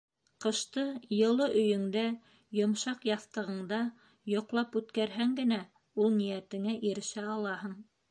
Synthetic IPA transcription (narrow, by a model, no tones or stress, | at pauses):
qɤ̆ʃt̪ɤjɤ̆lˠɤʔɵ̆jɵ̆ŋd̪æ | jŏmʃɑqjɑθt̪ɤ̆ʁɤ̆ɴd̪ɑ | jŏqlˠɑpʉt̪kæɾɦæŋɡɘ̆næ | ulˠnijæt̪ɘ̆ŋæʔiɾɘ̆ʃæɑlˠɑɦɤɴ